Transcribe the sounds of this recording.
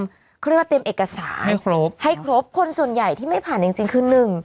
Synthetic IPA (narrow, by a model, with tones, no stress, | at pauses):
mʰ˥˩ | ɾ̚aː˥˧e˧mʔeː˨˩kːa˧sa̰ː˩˦na˥˩jkʰɾo˦˥p̚ha˥˩jkʰɾo˦˥p̚kʰo˧nsu˨˩ənja˨˩jt̪ʰiː˥˩ma˥˩jpʰaː˨˩nt͡ɕi˧ŋt͡ɕi˧ŋkʰɯː˧nɯ˨˩ŋ